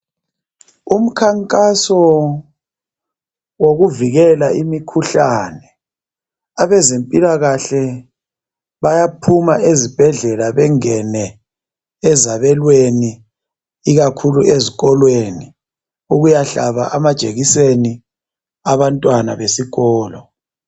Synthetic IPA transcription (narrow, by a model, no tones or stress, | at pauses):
um̩kʰaŋkʼasɔ | woɣuviɣɛlaʔimikʰuɬanɛ | aβɛzempʼilaɣaɬɛ | βajapʰumaʔezib̥ʱɛɮɛlaβɛŋɛnɛ | ɛzaβɛlweniː | ɣakʰulueziɣɔlweni | uɣujaɬa̰βa̰ʔamad̥ʒ̥ʱeɣiseni | aβantʼwana̰βesiɣɔːlɔ